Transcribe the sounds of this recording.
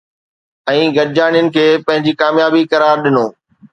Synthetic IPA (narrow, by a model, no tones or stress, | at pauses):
ɛ̃ːɡɐɾd͡ʑaːɽijʊnɪ̆kʰeːpɐ̃ɦɪ̃ɲd͡ʑiːkaːmjaːbikɐɾaːɾɗɪnoː